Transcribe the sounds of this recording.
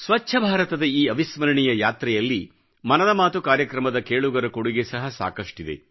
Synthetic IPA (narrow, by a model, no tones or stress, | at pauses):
sʋɐt͡ʃːʃʰɐbʱaːɾɐt̪ɐd̪ɐiːɐʋismɐɾɐɳijɐjaːt̪ɾɛjɐlːi | mɐnɐd̪ɐmaːt̪ukaːɾjɐkɾɐmɐd̪ɐkeːɭuɡɐɾɐkoɽuɡe̞sɐɦɐsa̰ːkɐʂʈid̪e̞̰